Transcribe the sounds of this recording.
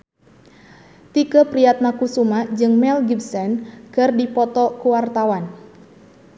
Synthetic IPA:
t̪ikəpɾiat̪̚makusumad͡ʒɨŋmɛlɡibsɛnkɨrdipɔt̪ɔkuwart̪awan

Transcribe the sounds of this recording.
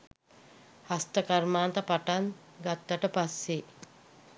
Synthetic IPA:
hast̪əkarmaːnt̪əpaʈan | ɡat̪ːəʈəpasːe

